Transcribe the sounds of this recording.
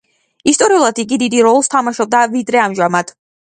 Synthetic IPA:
ist̪ʼɔɾiulˠad̪iɡid̪id̪iɾɔlˠst̪ʰamaʃɔb̚d̪avid̪ɾɛamʒamad̪̥

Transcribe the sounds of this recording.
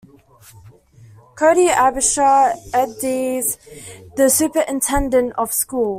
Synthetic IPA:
kʰəːɾiavɪʃəɛdizðəsʉˑpəɹʔɪ̃ntʰɛ̃ndə̃ntəv̥skuːlˠ

